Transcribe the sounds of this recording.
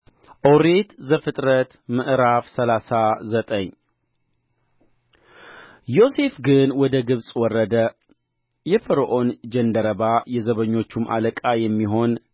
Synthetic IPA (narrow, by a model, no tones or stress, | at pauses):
ʔoɾet̪zəfɨt̪ʼɾət̪mɨʔɾafsəlasazət̪ʼəɲː | jo̞se̞fɡɨnwɔd̪əɡɨβsʼwɔrːəd̪ə | jɛfəɾoʔond͡ʒɛnd̪əɾəβajɛzəβəɲːo̞t͡ʃːumʔa̰ləkʼajɛmːiɦo̞n